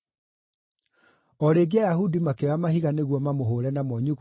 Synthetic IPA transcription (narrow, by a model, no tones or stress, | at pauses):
ɔɾeːɡeajahudimakeamahiɣaneɣwɔmamoɦoːɾɛnamɔɲuɣ